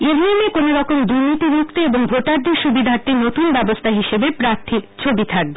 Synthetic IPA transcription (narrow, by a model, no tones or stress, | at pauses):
eɾniemekonoɾɔkomd̪uɾnit̪iɾukt̪eeboŋbʱoʈaɾd̪eɾʃubid̪ʱaɾt̪enot̪unbɛbost̪ʰaɦiʃebepɾaɾt̪ʰikt͡ɕʰobit̪ʰak̚be